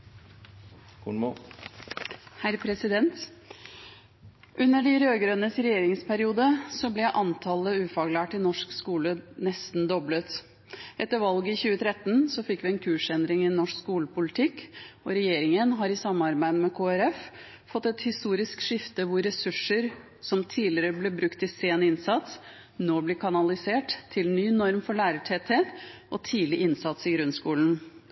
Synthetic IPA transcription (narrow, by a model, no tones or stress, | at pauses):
kuɳmo | hæɾpʰɾɛsɪd̪ɛnt̪ | ʔʉnːəɖɪɾøːɡɾønəsɾɛjeːɾɪŋspʰæɾɪuːd̪əsɔblɛʔɑnt̪ʰɑləʉːfɑːɡlæːʈɪnɔʂkskuːlənɛst̪n̩d̪ɔblət̪ | ʔɛt̪ːəɾʋɑlɡəɪçʉːət̪ʰɾɛt̪n̩sɔfɪkːʋɪɛnkʰʉːʂɛnd̪ɾɪŋɪnɔʂkskuːləpʊlɪt̪ʰɪkɔɾɛjeːɾɪŋənɦɑɾɪsɑmːɑɾbæɪd̪əmɛkʰoːɛɾɛf | fɔt̪ːɛt̪hɪst̪uːɾɪskʂɪft̪əʋʊɾɛsʉʂəɾ | sɔmt̪ʰiːlɪəɾəblɛbɾʉkt̪ɪseːnɪnsɑt̪s | noːblɪkʰɑnɑlɪseːʈt̪ʰːɪlnyːnɔɾmfɔɭæːɾəʈʰɛːt̪eːt̪ʔɔt̪ʰiːlɪʔɪnsɑt̪sɪɡɾʉnskuːlən̩